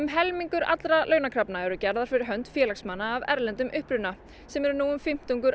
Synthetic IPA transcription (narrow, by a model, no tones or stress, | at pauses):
ʏmɦɛlmiŋkʏɾa̰t̪lɾalœːɥnakʰɾapnaɛɾʏcɛɾðaɾ̥fɪɾɪɾɦœn̥t̪fjɛːlaksmanːaːvɛ̰ɾlɛnt̪ʏmʔʏhpɾʏna | sɛmɛɾʏnuːʏmfɪm̥t̪uŋkʏɾ